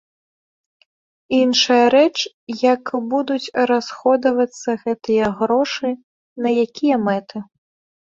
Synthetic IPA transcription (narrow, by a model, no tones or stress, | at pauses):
inʂɐjɐɾɛt͡ʂ | jɐkbud̪ut͡sʲɾasxɔd̪ɐvɐt̪sːɐɣɛt̪ɨjɐɣɾɔʂɨ | nɐjakʲʰijɐmɛt̪ɨ